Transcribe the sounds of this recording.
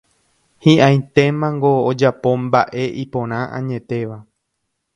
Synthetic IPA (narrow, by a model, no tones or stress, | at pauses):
hĩʔãj̃t̪e̞mãŋɡo̞ːd͡ʒapo̞mbaʔe̞ʔipõ̞ɾ̃ãʔã̰ɲẽ̞t̪e̞ʋa